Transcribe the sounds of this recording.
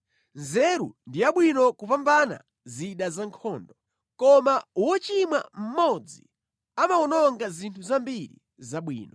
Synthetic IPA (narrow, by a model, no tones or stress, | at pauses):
nzɛɾṵndiaɓwinɔkupambana̰ | ziɗazaŋkʰɔːndɔ | kɔmauwɔt͡ʃimwa̰m̩mɔd͡zi | amaɔnɔŋɡazintʰuzambiɾḭ | zaɓwḭːnɔ